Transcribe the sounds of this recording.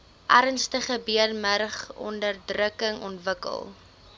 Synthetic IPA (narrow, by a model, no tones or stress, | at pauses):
ʔærnstəχəbiərmərχɔ̰ndərdrəkəŋɔ̰ntvəkə̰lˠ